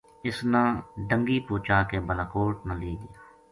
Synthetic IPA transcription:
ɪsnãːɖə̃ŋɡiːpuːt͡ʃaːkeːbəlaːkoːʈ̚nãːliːɡɪjaː

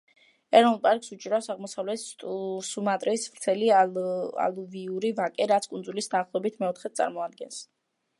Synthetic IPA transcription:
ɛɾɔnulˠpʼaɾkʼsut͡ʃʼiɾafsaʁmɔsavlɛt̪t̪ʼsumat̪ʼɾɛisvɾt̪sʰɛli | a̰lˠuviuɾivakʼɛɾat̪sʰkʼund̪zulisd̪aːχlˠɔɛbit̪ʰmɛɔt̪ʰχɛsʼa̰ɾmɔad̪ɡɛns

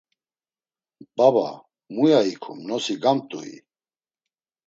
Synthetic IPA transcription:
b̥aba̰ | mujaikʰṵmnɔsiɡamt̪ʼuḭ

